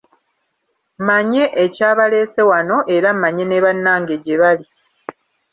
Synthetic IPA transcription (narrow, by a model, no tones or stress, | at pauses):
maɲe̞ʔecaːβale̞ːse̞wano̞ʔe̞ɾammaɲe̞neβanːaːŋɡeɟeβali